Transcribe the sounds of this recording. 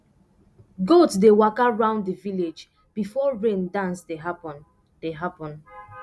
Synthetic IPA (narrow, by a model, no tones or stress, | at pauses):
ɡotsdewakaɹãʊ̃nddəviled͡ʒ | b̥ifɔɹẽndãnsdeɦapɔ̃n | d̥eɦapɔ̃n